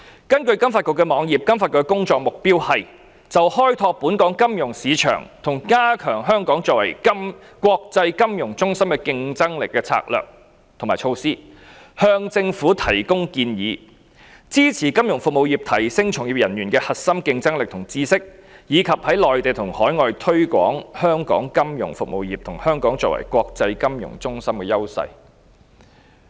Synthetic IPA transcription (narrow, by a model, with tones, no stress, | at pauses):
kɐ˥nkɵ˧ɥkɐ˥mfaː˧kʊ˧kːɛ˧mɔː˨˧˥ŋjiː˨˩p̚kɐ˥mfaː˧tkʊː˧kɛ˥kʊ˥ŋt͡ʃɔː˧k̚mʊ˨k̚piː˥whɐ˨j | t͡sɐ˨whɔː˥jt̪ʰɔː˧k̚puː˨˥nkɔː˨˥ŋkɐ˥mjʊ˨˩ŋsiː˨˧t͡ʃʰœ̰ː˨˩ŋt̪ʰʊ˨˩ŋkaː˥kʰœː˨˩ŋɦœː˥ŋkɔː˨˥ŋt͡sɔː˧k̚wɐ˨˩jm | kʷwɔː˧k̚t͡sɐ˧jkɐ˥mjʊ˨˩ŋt͡sʊ˥ŋsɐ˥mkɛ˧kɪ˧ŋt͡sɐ˥ŋlɪ˨kːɛː˧t͡sʰa̰ː˧k̚lœ̰ː˨k̚ | t̪ʰŋmaː˨˩jt͡ʃʰo˧wsiː˥ | hœː˧ŋt͡sɪ˧ŋfuː˨˥t̪ʰɐ˨˩jkʊ˥ŋkiː˧njiː˨˧ | t͡siː˥t͡sʰiː˨˩kɐ˥mjʊ˨˩ŋfʊ˨k̚mo˨wjiː˨˩p̚t̪ʰɐ˨˩jsɪ˥ŋt͡ʃʰʊ˨˩ŋjiː˨p̚jɐ˨˩njyː˨˩nkɛː˧hɐ˨t̚sɐ˥mkɪ˧ŋt͡sɐ˥ŋlɪ˨k̚t̪ʰʊ˨˩ŋt͡siː˥sɪ˥k̚ | jiː˨˧kʰɐ˨p̚hɐ˨˥jlɔː˨jt̪e˨jt̪ʰʊ˨˩ŋhɔː˨˥jŋɔː˨jt̪ʰɵ˥ɥkʷɔ̰ː˨˥ŋhœː˥ŋkɔ̰ː˨˥ŋkɐ˥mjʊ̰˨˩ŋfʊ˨k̚mo˨wjiː˨p̚t̪ʰʊ˨˩ŋhœː˥ŋkɔː˨˥ŋt͡sɔː˧˥wɐ̰˨˩jkʷɔː˧k̚t͡sɐ˧jkɐ˥mjʊ̰˨˩ŋt͡sʊ˥ŋsɐ˥mkɛː˧jɐ˥wsɐ̰˧j